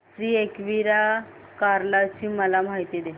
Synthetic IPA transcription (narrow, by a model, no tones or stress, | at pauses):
sɾiːekʋiɾakaɾlat͡ɕiːməlam̤aɦit̪id̪e